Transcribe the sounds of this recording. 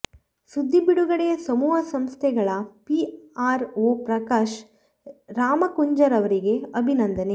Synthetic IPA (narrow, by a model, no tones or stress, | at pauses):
sud̪ʱːibiɽuɡɐɽejɐsɐmuːɦɐsɐmst̪ʰɛɡɐɭɐpiaːɾoːpɾɐkaːʃ | ɾaːmɐkuɲd͡ʒɐɾɐʋɐɾiɡe̞ɐbʱinɐnd̪ɐne̞